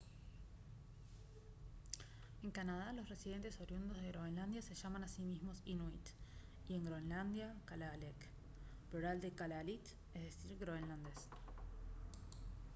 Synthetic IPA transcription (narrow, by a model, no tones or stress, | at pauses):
e̞ŋkanað̞alo̞sre̞siðe̞nt̪e̞soɾjund̪ozð̞e̞ɣɾoenland̪jase̞ʒamanasimizmo̞sinwit̪ | ie̞ŋɡɾoenland̪jakalalek | pluɾald̪ekalalit̪ | eðesiɾɣɾoβenland̪es